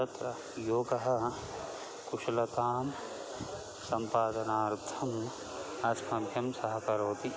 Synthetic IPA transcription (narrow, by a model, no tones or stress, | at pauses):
ɐt̪ɾɐ | joːɡɐɦɐ̆ | kuʃlɐkaːm | sɐmpaːd̪ɐnaːɾt̪ʰɐm | ɐsmɐbʱjɐmsɐɦɐkɐɾoːt̪i